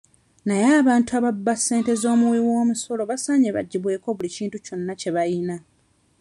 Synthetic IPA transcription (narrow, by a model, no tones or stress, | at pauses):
najaːβaːntuaβabːasːe̞ːnte̞zo̞ːmuwiwo̞ːmuso̞lo̞βasaːɲeβa̰ɟːiβwe̞ːko̞βuliciːntuco̞nːace̞βajina